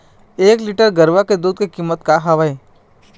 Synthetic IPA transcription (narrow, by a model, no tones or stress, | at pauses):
eːkliːʈəɾɡəɾʋaked̪uːd̪̚kekiːmːət̪kaɦɐʋəe